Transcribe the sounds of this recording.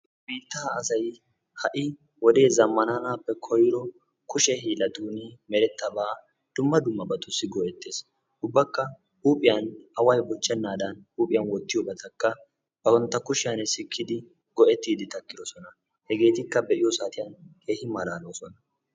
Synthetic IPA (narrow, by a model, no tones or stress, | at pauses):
biːt̪ːaːɐsɐj | hɐʔɪ | wɔd̪e̞ːzɐmːɐnanaːpːɛkʰɔjɪɾɔ | kʊʃɛɦiːlɐd̪uːnimɛɾɛt̪ːɐbaː | d̪̥ʊmːɐd̪ʊmːɐbɐt̪ʊsːɪɡɔʔɛt̪ːe̞ːs | ʔʊbːɐkːɐ | uːpʼːɪjanɐwɐjbɔt͡ʃːɛnːaːd̪ɐnuːpʼɪjɐnwɔt̪ːɪjɔbɐt̪ʰɐkːɐ | b̥ɐwɔnt̪ːɐkʊʃɪjanɛsɪkʰːɪd̪ɪ | ɡɔʔɛt̪ːiːd̪ɪt̪ɐkːɪd̪ɔsɔnɐ | hɛɡe̞ːt̪ɪkːɐbɛʔɪjɔsaːt̪ɪjɐnke̞ːhɪmɐlaːloːsɔnɐ